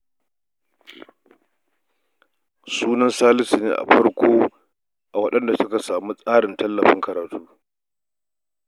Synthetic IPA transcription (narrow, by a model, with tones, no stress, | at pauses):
suː˦nɐ˦nsaː˦lɪ˦sɪ˨nḛː˦˨ʔa̰˨ɸɐ˦ɽkʷoː˦ | ʔa˨wɐ˦ɗɐ˦nda˨sʊ˦ka˨saː˨mu˦sʼaː˦ɽɪ˨ntɐ˦lːɐ˨ɸɪ̰˦ŋkɐ˨ɾaː˨tʰuː˦